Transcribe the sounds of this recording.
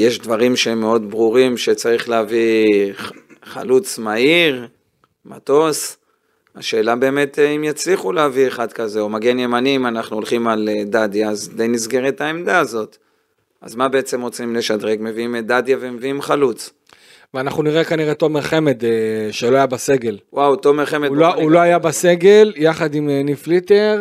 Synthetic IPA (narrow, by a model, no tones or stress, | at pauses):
jeʃdvaʁimʃeemːe̞o̞d̪bʁuʁimʃe̞t͡saʁiχleavi | χa̰lut͡smaiʁ | ma̰to̞s | a̰ʃe̞ːlabeːme̞timjat͡sliχuleavieχad̪kaze̞omaɡenjemanimanaχnuolχimaled̪ad̪jaːzd̪ejnisɡeʁet̪aemd̪aːzo̞t̪ | ʔa̰zmabe̞et͡se̞mʁot͡simle̞ʃad̪ʁekme̞viimd̪ad̪javemeviimχalut͡s | veanaχnuniʁekaniʁe̞t̪ovmeʁχe̞med̪ʃelo̞ajabase̞ɡe̞lwawt̪omeʁχemelouloajabase̞ɡe̞ljaχad̪imniflit̪eʁ